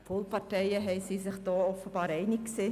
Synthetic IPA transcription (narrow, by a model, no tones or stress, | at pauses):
folˠpɑrtɛjəɦɛɪsisɪχd̥ɔːɔfəbɑːɾɛɪnɪkkseː